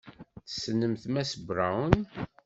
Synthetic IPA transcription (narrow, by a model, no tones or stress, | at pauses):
θə̥sːənːəmθmæsəbɾawn